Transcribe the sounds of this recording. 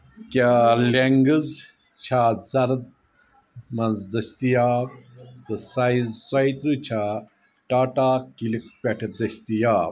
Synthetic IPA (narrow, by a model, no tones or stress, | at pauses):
kʲaːleŋɡəz | t͡ʃʰaːzɐɾd̪̚ | mɐnzd̪ɐst̪ijaːbt̪ɨsazsɐit̪ɾɨt͡ʃʰaː | ʈaːʈaːkilikpʲeʈʰd̪ɐst̪ijaː